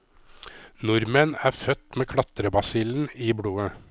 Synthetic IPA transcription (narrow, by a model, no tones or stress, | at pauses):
nʊɾmənæːfœt̪meːkʰɽɑt̪ɾəbɑsiːln̩iːbɽuːə